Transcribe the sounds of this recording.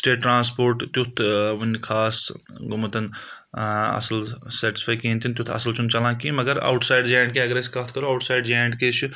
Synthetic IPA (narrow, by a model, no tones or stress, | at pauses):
sʈeːʈːɾãːns̬poːɾʈt̪jut̪ʰʋɐnkʰaːs | ɡumɐt̪ɐn | ɐ̰sɐlseʈi̥spʰaːjkẽːnt̪ʰint̪jut̪ʰɐ̰sɐlt͡ʃʰunt͡ʃɐlãːkimɐɡɐɾɐ̰wʈsaːjɖd͡ʒaːjɳɖkeɐɡɾeskɐt̪ʰkɐɾuɐwʈsaːjɖd͡ʒaːɳɖket͡ʃʰu